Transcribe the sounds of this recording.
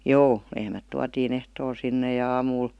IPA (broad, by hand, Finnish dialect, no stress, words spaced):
joː lehmæt tuɑtiːn ehtoːl sinːe jɑ ɑːmuːl